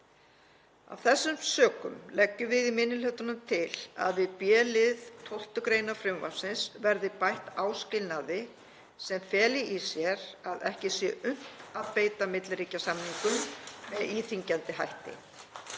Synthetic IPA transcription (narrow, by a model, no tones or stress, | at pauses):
a̰wθɛsːʏmsœːkʏ̰mlɛcːʏvɪðimɪnːɪlœt̪ʏnʏmt̪ʰɪla̰ðvɪðpjɛːlɪðt̪ʰowl̥t̪ʏkɾeːjnafɾʏmva̰̥sɪnsvɛɾðɪpajht̪aːwscɪlnaðɪ | sɛmfɛːlɪʔisjɛɾaðɛhcɪsjɛʔʏn̥t̪aðpeːjt̪amɪt̪lɾiːcasamniŋkʏmmɛðiːθiɲcant̪ɪɦajht̪ɪ̰